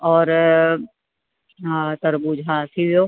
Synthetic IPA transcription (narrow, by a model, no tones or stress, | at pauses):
ɔːɾ | t̪ɐɾbuːd͡ʒɦãːsʰiʋjoː